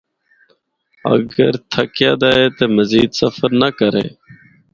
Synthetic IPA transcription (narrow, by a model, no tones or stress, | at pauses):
ə̰ɡəɾt̪ʰəkjaːd̪aːeːt̪eːməziːd̪səfəɾnəkəɾḛː